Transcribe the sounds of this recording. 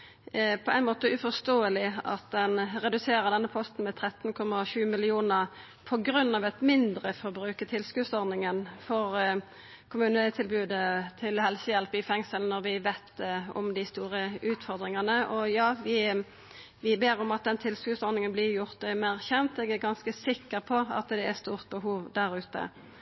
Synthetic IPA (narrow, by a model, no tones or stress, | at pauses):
pʰɔʔæɪnmoːt̪əʔʉfɔst̪oːəlɪɑ̰t̪̚d̪ɛnʁɛd̪ʉseːɾəd̪ɛnːəpʰɔst̪n̩mɛt̪ʰɾɛt̪ːnkʰɔmːɑʃʉːmɪlɪuːnəʁ | pʰɔɡɾʉnːɑʋɛt̪mɪnd̪ɾəfɔɾbɾʉːkət̪ʰɪlskʉːsɔɾnɪŋənfɔɾ | kʰʊmʉːnəət̪ʰɪlbʉːd̪ət̪ʰɪlhɛlsəjɛlpɪfɛŋsəln̩ɔɾʋɪʋeɪt̪ɔ̰md̪ɪst̪uːʁəʉːt̪fɔɾd̪ɾɪŋɑnəʔɔjɑːʋɪ | ʋɪbeːɾɔmɑt̪̚d̪ɛnt̪ʰɪlskʉːsɔɾnɪŋənblɪjʊʁt̪mæʁçɛnt̪ɛɡæʁɡɑnskəsɪkːəɾpʰɔɑ̰t̪d̪ɛɛst̪uːʁt̪̚bəɦuːʋd̪æɾʉːt̪ə̰